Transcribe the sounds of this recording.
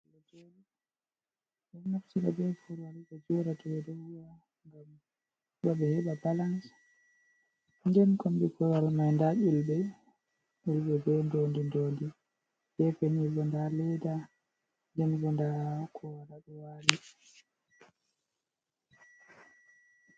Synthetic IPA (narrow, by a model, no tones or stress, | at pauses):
lɔd͡ʒɔɾi | bɛnnaftiɾabɛfuɾwaliɓɔd͡ʒɔɾatɔwɛdɔwwa | ŋɡam | ɓɔɓɛhɛɓabalans | ŋɡɛnkombikɔwalmajndaʔilɓɛ | ulɓɛbɔndondindoːndi | d͡ʒɛfenibɔndalɛda | ŋdɛnbɔndakʰɔwaɾabɛwaɾi